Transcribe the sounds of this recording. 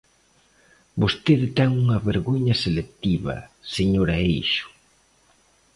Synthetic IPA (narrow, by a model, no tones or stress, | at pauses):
bost̪eðt̪ɛŋuŋɐβeɾɣoɲɐselek̚t̪iβɐ̰seɲoɾɐejʃʊ̥